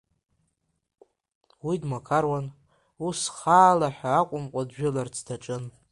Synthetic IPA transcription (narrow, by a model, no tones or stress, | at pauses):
widmakʰarwan | usχaːlaħaːkʷʼʊmqʷʼadʒᶣɪlart͡sʰdaʈ͡ʂʼɨn